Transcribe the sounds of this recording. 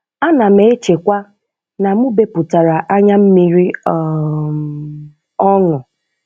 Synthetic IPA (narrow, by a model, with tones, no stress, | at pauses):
a˦na˨m̩e˨e˦t͡ʃe˨kʷa˦ | na˨mʊ˦be˨pʊ˨ta˨ɾa˨ʔa˦ɲa˦m̩˦mi˦ɾi˦ | ɔ˦ŋʊ˨